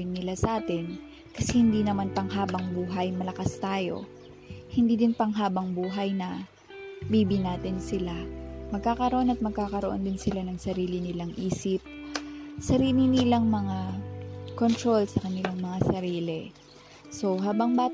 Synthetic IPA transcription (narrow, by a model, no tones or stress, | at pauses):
ɪnːɪlasɐʔaːt̪ɪn | kɐsɛhɪnd̪iːnɐmanpɐŋɦaːbɐŋbuːɦɐjmɐlɐkast̪aːjo̞̰ | hɪnd̪iːd̪ɪnpɐŋɦaːbɐŋbuːɦɐjnɐ | biːbɪnaːt̪ɪnsɪlamɐɡ̚kaːkɐɾoʔo̞nɐt̪̚mɐɡ̚kaːkɐɾoʔo̞nd̪ɪnsɪlanɐŋsɐɾiːlɪnɪlaŋʔiːsɪp̚ | sɐɾiːlɪnɪlaŋmɐŋa | kont̪ɾo̞lsɐkɐnɪlaŋmɐŋasɐɾiːlɛ | so̞ɦaːbɐŋbaː